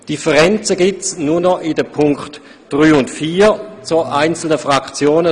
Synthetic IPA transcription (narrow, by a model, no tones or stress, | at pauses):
d̥ifəʁɛnt͡səɡɪt͡snuːɐnɔʔidəpʰʊŋkχt | d̥ʁyːʊntfiːt͡suɐʔaɪnt͡sl̩nəfʁakt͡sjoːnə